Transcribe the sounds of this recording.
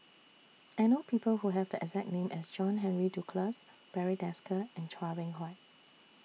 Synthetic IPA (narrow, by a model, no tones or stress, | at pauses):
ʔanopʰiːpəlhuɦɛvdəʔɛ̰ɡzɛk̚nẽmʔɛsd͡ʒɔ̃nɦɛ̃nɹidukʰləs | b̥ɛɹidɛskəɛ̃ntʰɹavɪ̃ŋɦɔɪt̚